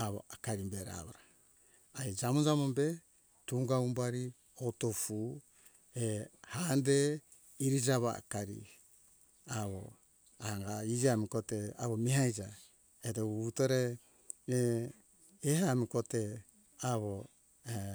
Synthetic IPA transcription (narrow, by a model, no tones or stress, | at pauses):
aβo̰akaɾimbeɾa̰βaɾa | aid͡ʒamod͡ʒamombe | tuŋɡaumbaɾi | otofu | ehande | iɾid͡ʒaβa̰a̰kaɾḭ | aβo̰ | aŋɡaid͡ʒamikotea̰βomiɦajd͡ʒa | etoutoɾe | eɦamikote | aβo | e